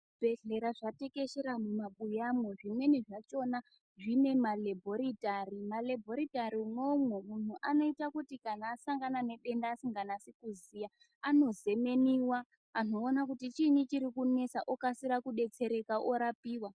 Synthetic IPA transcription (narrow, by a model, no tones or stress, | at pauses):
b̥ʱe̞ɮe̞ɾaʐate̞ke̞ʃeɾamumaɓujamwe̞ʐimwe̞niʐat͡ʃo̞na | ʐine̞malebʱo̞ɾitarimalebʱo̞ɾitaɾiuno̞mwemun̤uʔano̞itakutikanaːsaŋɡanane̞ɗe̞ndaːsiŋɡanasekuzija | ano̞ze̞me̞niwaː | n̤oːnakutit͡ʃinit͡ʃiɾikune̞saʔokasiɾakuɗe̞t͡se̞ɾe̞kaʔoɾapiːwa